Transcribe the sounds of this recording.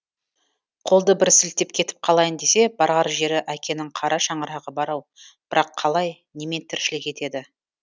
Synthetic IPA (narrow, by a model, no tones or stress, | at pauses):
qʰo̞lˠd̪əbɪɾsɪlt̪ːe̞p̚kʲʰe̞t̪ɪ̥p̚qʰɑlˠɑjənd̪e̞se̞b̥ɑɾʁɑɾʒe̞ɾɪʔækʲʰe̞nɪɴqʰɑɾʔɑʃɑɴəɾɑʁəbɑɾɑw | b̥ɪɾɑqʰːɑlˠɑj | neme̞nt̪ʰɪɾʃɪlɪkʲʰe̞t̪e̞d̪ɪ